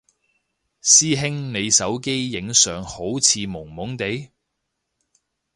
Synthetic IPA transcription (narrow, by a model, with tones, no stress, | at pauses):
siː˥ɦɪ˥ŋne˨˧jsɐ˨˥wke˥jːɪ˨˥ŋsœː˨ŋho˨˥wt͡sʰiː˨˧mʊ˨˩ŋmʊ˨˥ŋt̪e˨˧˥j